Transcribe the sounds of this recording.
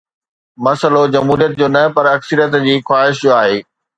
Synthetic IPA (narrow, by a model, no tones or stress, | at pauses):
mɐsəlod͡ʑɐmɦuːɾijət̪̚d͡ʑoːnɐpɐɾɐksəɾijət̪d͡ʑiːxwaːɪʃjoaːɦeː